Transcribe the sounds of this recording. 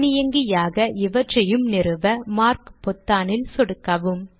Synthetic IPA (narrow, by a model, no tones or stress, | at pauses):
nɪjɐŋɡɪjaːɣɐʔɪʋɐʈrɐjɯmnɪɾɯʋɐmaːɾkpɔt̪ːaːnɪlsɔɽɯkːɐʋɯm